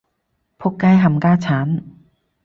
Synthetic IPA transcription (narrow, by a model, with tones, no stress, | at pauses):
pʰo˧˥k̚kːaː˧jɦʰa˧˩mkaː˧t͡ɕʰa˨˦˥n